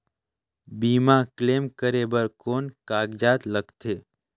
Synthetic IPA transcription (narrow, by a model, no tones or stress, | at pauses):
biːmakleːmkəɾeːbəɾkoːnkaːɡd͡ʒaːt̪ləɡt̪ʰeː